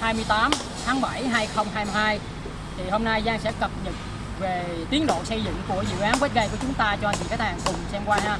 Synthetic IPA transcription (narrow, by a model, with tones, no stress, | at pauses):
haː˧jmɨ˧əjt̪aː˨˦m | t̪ʰaː˨˦ŋɓa˧˩jɦaː˧jxə˧wŋ͡mɦaː˧jm˧ɦaː˧j | t̪ʰi˨˩ho˧mna˧jzaː˧ŋsɛ̰˧˥kə˨˩p̚ɲə˨˩t̚ | ve˨˩ | t̪i˨˦ənɗo̰˧˨sə˧jzɨ̰˧˨ŋku˧˩əzɨ̰˧˨ʔaː˨˦nkwe˦˥t̚ɣə˧jku˧˩ət͡ɕʊ˨˦ŋ͡mt̪aː˧t͡ɕɔ˧a˧nt̪i˧˨˩kaː˨˦˥t̪̚ʰːaː˨˩ŋkʊ˨˩ŋ͡msɛ˧mkwaː˧haː˧